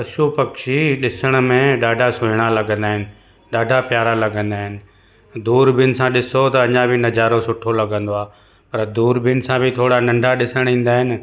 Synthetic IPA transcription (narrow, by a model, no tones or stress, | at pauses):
pɐʃupɐkʃiɗɪsəɽ̃̆mẽɗaːɖʱasʊɦɪɽ̃alɐɡə̃nd̪aːɦɪnɪ̆ | ɗaːɖʱapjaːɾalɐɡə̃nd̪aːɦɪnɪ̆ | d̪uːɾbiʊnɪ̆sãɗɪsot̪ɐɐɲãbʱɪnɐd͡ʑaːɾosʊʈʰolɐɡʱə̃nd̪oaː | pɐɾd̪uːɾbʱinɪ̆sãbʱɪt̪ʰoːɽanɐ̃ɳɖʱaɗɪsəɽ̃ĩːn̆d̪aːɦɪnɪ̆